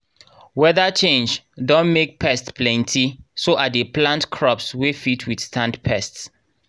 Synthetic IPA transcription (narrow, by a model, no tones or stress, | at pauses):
wɛðat͡ʃẽnd͡ʒ | dɔ̃nmek̚pʰɛstpʰlɛ̃ntʰisoʔadeplãntkʰɹɔpswefitʰwid̥stʰãndpʰɛsts